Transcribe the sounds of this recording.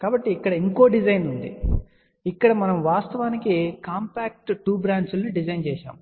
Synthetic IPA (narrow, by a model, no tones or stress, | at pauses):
kaːbɐʈːiːkːɐɽɐiŋkoːɖid͡ʒɐjnund̪ḭ | ikːɐɽɐmɐnɐmʋaːst̪ɐʋaːnikikaːmpaːk̚ʈʈuːbɾaːɳɖsulniɖid͡ʒɐjnt͡ʃɛːʃa̰ːm